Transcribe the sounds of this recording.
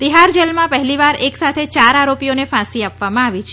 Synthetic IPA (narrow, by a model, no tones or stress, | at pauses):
t̪iɦaɾd͡ʒelmãpəɦliʋaɾeksat̪ʰet͡ʃaɾaɾopijonefãsiapʋamãaʋit͡ʃʰe